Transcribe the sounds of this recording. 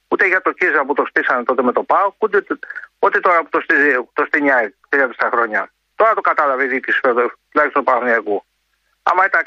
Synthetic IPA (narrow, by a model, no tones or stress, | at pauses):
ut̪eʝɐt̪o̞cizɐput̪o̞st̪isɐnet̪o̞t̪eme̞t̪o̞pɐout̪eot̪it̪oɾɐput̪ost̪izt̪ost̪iɲɐt̪ɾiɐpi̥st̪ɐxɾoɲɐ | t̪o̞ɾɐt̪okat̪ɐlɐviiðikisfeot̪ulɐçist̪oupɐɐniɐku | ɐ̰mɐit̪ɐ